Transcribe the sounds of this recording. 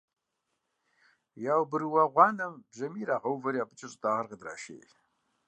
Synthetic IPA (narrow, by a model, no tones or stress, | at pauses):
jawbɨrwaʁʷɑnambʒamiɾaʁawvaɾiapʰɨt͡ʃʼɪɕʼtʼaʁarqadra̰ʃḛːtʼ